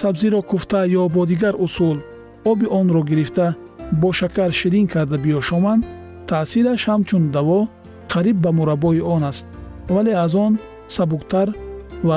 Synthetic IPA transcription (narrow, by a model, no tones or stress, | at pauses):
sabziɾɔkʰuft̪ʰajɔbɔd̪iɡaɾusul | ɔbiʔɔnɾɔɡiɾift̪a | bɔʃakʰaɾʃiɾiŋkʰaɾd̪abiɔʃɔmand̪ | t̪ʰaːsiɾaʃhamt͡ʃund̪avɔ | qʰaɾib̚ːamuɾabɔiɔnast̪̚valeazɔn | sabuqt̪ʰaɾva